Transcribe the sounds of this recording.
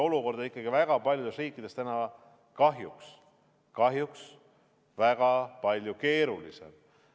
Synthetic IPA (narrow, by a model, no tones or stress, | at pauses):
o̞luko̞rd̪̥ɑikːˑɑɡ̥ivæɡ̥ɑpɑlʲjud̪e̞sriːkːˑid̪̥e̞st̪ænɑ | kɑɦjuks | kɑɦjuks | væɡ̥ɑpɑlʲjuke̞ːɾulise̞̰m